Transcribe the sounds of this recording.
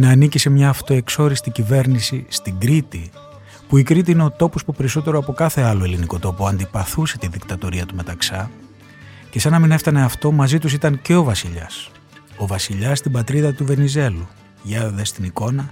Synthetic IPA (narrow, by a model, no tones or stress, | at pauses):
nɐːnicise̞mɲɐːft̪o̞e̞kso̞ɾist̪icive̞ɾnisist̪iɡɾit̪i | puikɾit̪iine̞o̞t̪o̞pospupe̞ɾiso̞t̪e̞ɾo̞ɐpo̞kɐθe̞ɐlo̞e̞liniko̞t̪o̞poɐnd̪ipɐθuse̞t̪iðikt̪ɐt̪oɾiɐt̪ume̞t̪ɐksɐ | ce̞sɐnɐmine̞ft̪ɐne̞ɐft̪o̞mɐzit̪us̬it̪ɐnce̞o̞vɐsiʎɐs | o̞vɐsiʎɐsst̪ibɐt̪ɾiðɐt̪uve̞nize̞lu | ʝɐðest̪iniko̞nɐ